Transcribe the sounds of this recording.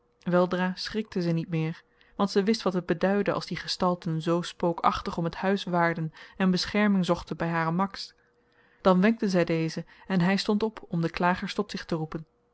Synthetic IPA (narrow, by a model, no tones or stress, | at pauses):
ʋɛlˠdraːsχrɪk̚təzənitmɪːɹ | ʋɑntsɛʋɪstʋɑtɦəd̚bədœɥdəʔɑ̰lˠzdiχəstɑlˠtənzowspowkɑ̰χtəχɔməthœɥsʋaːɹdənɛnbəsχɛɹmɪŋzɔχtənbɛjɦaːrəmɑks | d̥ɑnʋɛŋk̚tənzɛjdejzəɛnɦɛjstɔntɔpʰɔmdəklaːχəɹstɔtsɪχtərupən